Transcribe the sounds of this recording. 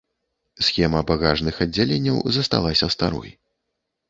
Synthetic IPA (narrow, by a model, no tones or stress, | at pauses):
sʲxʲɛmɐbaɣaʐnɨxɐd͡zʲːalʲenʲːɐwzɐst̪a̰lˠasʲɐst̪a̰ɾɔ̰j